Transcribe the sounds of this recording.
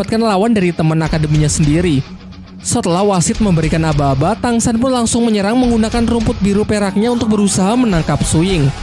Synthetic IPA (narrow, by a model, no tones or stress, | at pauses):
at̪̚kanlawandaɾit̪əmənakadəmiɲasəndiɾi | sət̪əlahwasɪt̪̚məmbəɾikanabaːbat̪aŋsanpʊnlaŋsʊŋməɲəɾaŋməŋɡunakanrumpʊt̪̚biɾupeɾak̚ɲaunt̪ʊk̚bəɾusaɦamənaŋkap̚suɪŋ